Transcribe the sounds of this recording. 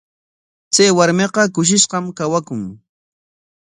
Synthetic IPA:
t͡sajwaɾmeqɑkʊʃ̬ɪʃqɑmkawakʊŋ

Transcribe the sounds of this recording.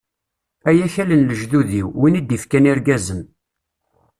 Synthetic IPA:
æjæçælənləʒðuðiwwinid̪ifkæniɾɡæzən

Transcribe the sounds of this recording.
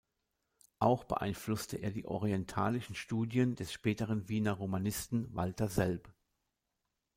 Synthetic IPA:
ʔaʊxb̥ə̰ʔa̰ɪnflʊstəʔeːɐdiːʔɔ̰ʁiɛntʰaːlɪʃn̩ʃtuːdjəndɛsʃpɛːtəʁ̞ənviːnɐʁomanɪstn̩va̰ltɐzɛlp

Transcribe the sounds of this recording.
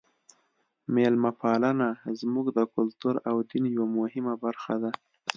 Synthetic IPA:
melmapɑlanazmuɡd̪əkʊlt̪uɾawd̪injawamʊhɪmabaɾxad̪a

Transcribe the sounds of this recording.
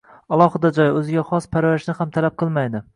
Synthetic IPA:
ɑlˠɒhɨd̪ad͡ʒɒjɵzɪɡʲaχɒspʰaɾvaɾʃnɪhamt̪ʰalap̚qʰɨlˠmajd̪ɪ

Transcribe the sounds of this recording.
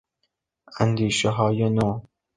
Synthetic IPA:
ænd̪iːʃeɦɒːjenoː

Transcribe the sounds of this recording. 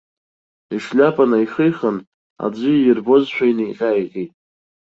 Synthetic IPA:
iʂlʲapʰʼanaiχijχən | a̰d͡ʒʷɨjirbozʃʷᶣajniqʲʼajqʲʼitʼ

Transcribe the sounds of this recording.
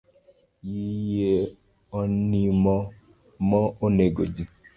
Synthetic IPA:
jije | ɔnimɔ | mɔoneɡo̰d͡ʒi

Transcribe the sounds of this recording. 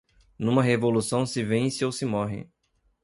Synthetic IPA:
nũmɐɦevolusɐ̃w̃sɪvẽsɪowsɪmɔɦɪ̰

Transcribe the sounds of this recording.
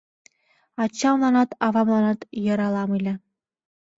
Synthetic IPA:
ɑt͡ɕːɑmlˠɑnɑt̪ɑvɑmlˠɑnɑt̪jɤ̆ɾɑlˠɑmɯlʲɘ̆

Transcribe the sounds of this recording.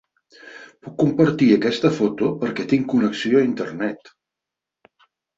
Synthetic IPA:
pukːumpəɾt̪iəkɛst̪əfot̪upəɾkɛt̪iŋkunəksioəint̪ərnɛt̪

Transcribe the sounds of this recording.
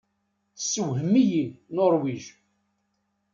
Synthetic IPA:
sːəwɦəmijinːoɾˤwiʒ

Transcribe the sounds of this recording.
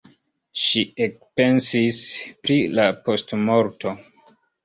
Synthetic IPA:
ʃiek̚pe̞nsispɾilapo̞stmo̞ɾto̞

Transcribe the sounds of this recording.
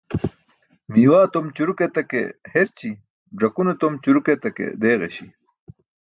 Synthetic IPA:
miwaːt̪omt͡ɕuɾuket̪ɐkḛheɾt͡ɕi | ɖ͡ʐɐkunet̪omt͡ɕuɾuket̪ɐkḛd̪eːɣeɕi

